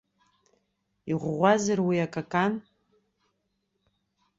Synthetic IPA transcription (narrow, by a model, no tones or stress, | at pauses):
iʁʷʁʷazarwiakʼakʼan